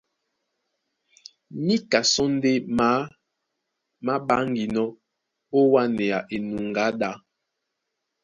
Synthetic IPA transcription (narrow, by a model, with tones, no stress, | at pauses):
mi˦ka˨sɔ˦n˦de˦ma˨˦ | ma˦ɓa˦ŋɡi˨nɔ˦ | o˦wa˦nɛ˨a˨ʔe˨nu˨ŋɡa˨˦ɗa˨˦